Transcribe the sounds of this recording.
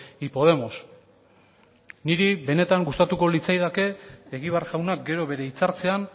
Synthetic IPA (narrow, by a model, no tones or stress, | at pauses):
ipo̞ð̞e̞mo̞s | niɾiβe̞ne̞t̪aŋɡust̪at̪uko̞lit͡sajðake̞ːɣiβ̞eaɾʝawnak̚ɡe̞ɾo̞βe̞ɾe̞it͡saɾt͡se̞an